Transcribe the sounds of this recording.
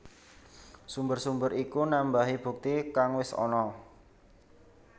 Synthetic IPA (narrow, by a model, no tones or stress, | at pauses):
sumbərsumbəɾikunambaɦib̥ṳk̚t̪ikaŋwɪsɔ̰nɔ